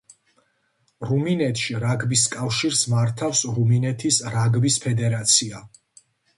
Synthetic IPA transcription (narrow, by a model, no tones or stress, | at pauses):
ɾuminɛt̪ʰʃiɾaɡbiskʼafʃiɾsmaɾt̪ʰafsɾuminɛt̪ʰisɾaɡbispʰɛd̪ɛɾat̪sʰia